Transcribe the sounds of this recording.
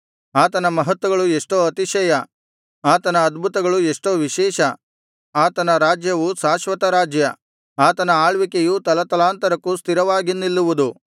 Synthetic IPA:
aːt̪ɐnɐmɐɦɐt̪ʋɐɡɐɭueʂʈoːɐt̪iʃɐjɐ | aːt̪ɐnɐːd̪bʱut̪ɐɡɐɭueʂʈoːʋiʃɛːʃɐ | aːt̪ɐnɐɾaːd͡ʒjɐʋusaːʃʋɐt̪ɐɾaːd͡ʒjɐ | aːt̪ɐnɐaːɭʋikejut̪ɐlɐt̪ɐlaːnt̪ɐɾɐkːust̪iɾɐʋaːɡinːilːuʋud̪u

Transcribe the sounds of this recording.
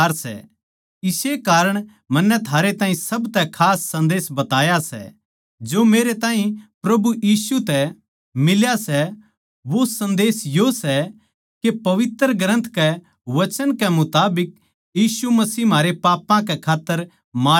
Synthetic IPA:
ɾsɛ̰ | ɪsekaːɾəɽ̃ | mɐnːɛt̪ʰaːɾet̪ãːɦĩsɐbt̪ɛkʰaːsːɐ̃nd̪eːsbɐt̪aːjasɛ̰ | d͡ʒoːmeːɾet̪aːɦĩpɾɐbujiːsut̪ɛ | mɪljasɛ | ʋosɐ̃nd̪eːsjosɛ | kepɐʋɪt̪ɾɡɾə̃nt̪ʰkɛ | ʋɐt͡ʃənkɛmʊt̪aːbɪk̚ | jiːsumɐsiːm̤aːɾepaːpãkɛkʰaːt̪ːəɾ | maː

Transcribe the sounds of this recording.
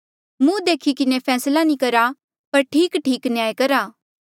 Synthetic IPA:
mũd̪eːkʰikɪnepʰɛːslanĩkɐɾa | pɐɾʈʰiːkʈʰiːknjaːjkɐɾaː

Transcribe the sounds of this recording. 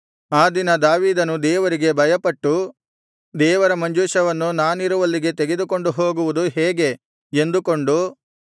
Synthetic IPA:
aːd̪inɐd̪aːʋiːd̪ɐnud̪ɛːʋɐɾiɡe̞bʱɐjɐpɐʈːu | d̪ɛːʋɐɾɐmɐɲd͡ʒuːʃɐʋɐnːunaːniɾuʋɐlːiɡe̞t̪eɡe̞d̪uko̞ɳɖuɦo̞ːɡuʋud̪uɦeːɡe̞ | end̪uko̞ɳɖu

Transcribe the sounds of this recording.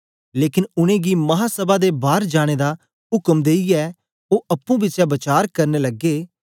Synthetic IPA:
leːkɪnʊñẽːɡiːmɐɦaːsəbaːd̪eːbaːɾd͡ʒaːɽ̃eːd̪aː | ɦʊkəmd̪eːiɛː | oːʔəpːũːbɪt͡ʃjaːbət͡ʃaːɾkəɾneːləɡeː

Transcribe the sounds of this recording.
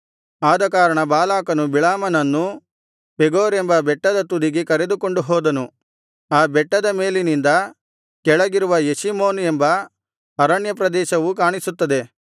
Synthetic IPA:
aːd̪ɐkaːɾɐɳɐbaːlaːkɐnubiɭaːmɐnɐnːu | peɡoːɾembɐbɛʈːɐd̪ɐt̪ud̪iɡekɐɾe̞d̪uko̞ɳɖuɦɔːd̪ɐnu | aːbɛʈːɐd̪ɐme̞ːlinind̪ɐ | kɛɭɐɡiɾuʋɐjesimoːnembɐ | ɐɾɐɳjɐpɾɐd̪ɛːʃɐʋukaːɳisut̪ːɐd̪e̞

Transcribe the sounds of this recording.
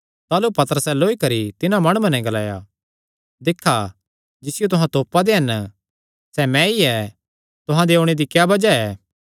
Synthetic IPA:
t̪aːlupɐt̪əɾəsɛloːikɐɾit̪ɪnãmɐɽ̃umɐnɛ̃ɡɐlaːja̰ | d̪ɪkʰːa | d͡ʒɪsɪjot̪ʊɦãt̪oːpːad̪eɦɐn | sɛmɛ̃iɛ | t̪ʊɦãd̪eoːɽ̃ed̪ikjaːbɐd͡ʒaɛː

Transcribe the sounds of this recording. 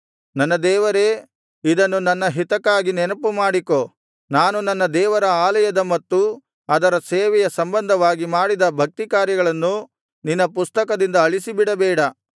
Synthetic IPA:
nɐnːɐd̪ɛːʋɐɾeː | id̪ɐnːunɐnːɐɦit̪ɐkːaːɡinɛnɐpumaːɽiko̞ | naːnunɐnːɐd̪ɛːʋɐɾɐaːlɐjɐd̪ɐmɐt̪ːu | ɐd̪ɐɾɐseːʋɛjɐsɐmbɐnd̪ʱɐʋaːɡimaːɽid̪ɐbʱɐk̚t̪ikaːɾjɐɡɐɭɐnːu | ninːɐpust̪ɐkɐd̪ind̪ɐːɭisibiɽɐbɛːɽɐ

